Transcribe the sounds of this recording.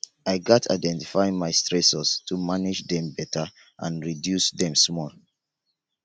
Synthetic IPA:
aɪɡɔtʰa̰ɪdɛ̃nti̥faɪ̃ŋmaɪstɹɛsɔstʰumanɪd͡ʒðɛ̃mbɛtʰa | ʔã̰nɹidjusðɛ̃msmɔl

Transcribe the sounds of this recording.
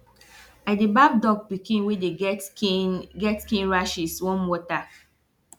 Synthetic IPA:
aɪdebab̚dɔɡ̚bikʰĩnwedet | ɡɛtkĩnɹaʃiswɔ̃nwɔta

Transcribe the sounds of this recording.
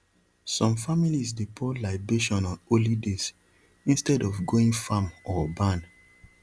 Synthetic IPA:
sɔ̃mfamilisdepʰɔlaɪbeʃɔ̃nɔ̃nolides | ĩnstɛdɔfɡoĩŋfamɔbãn

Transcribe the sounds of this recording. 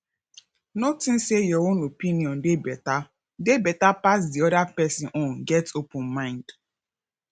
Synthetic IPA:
notĩn̩sejoonopiniɔ̃ndebɛta | debɛtapas̬diɔdapɛsĩnʔonɡɛtopʊ̃nmãɪ̃nd

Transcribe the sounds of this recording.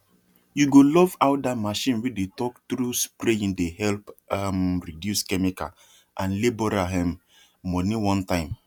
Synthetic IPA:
juɡolɔvaʊt̚damaʃĩnwidetɔktɾuspɾeĩndehɛlpamɾidjuskɛmika̰ | ʔãnlibɔɾaɦɛ̃mː | ɔnĩwɔ̃ntãɪ̃m

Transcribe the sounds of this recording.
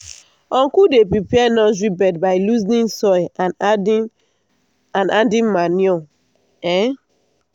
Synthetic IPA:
ɔ̃ŋkudepɹipiɛnɔzɹibɛdbaɪluznĩnsɔj | ãnadĩnmanjɔ | ɛ

